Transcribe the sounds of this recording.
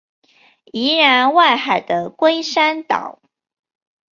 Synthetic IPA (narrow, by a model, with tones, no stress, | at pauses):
i˧˥˦ɻa˧˥nwa˥˩ɪxa˨˩ɪd̪ə˦kwe˥ɪʂa˥nt̪ɑ̰˨˩˦ʊ